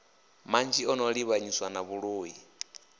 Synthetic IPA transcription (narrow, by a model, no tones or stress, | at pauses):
mand͡ʒiɔnɔɺiβaɲiswanaβuɺuːji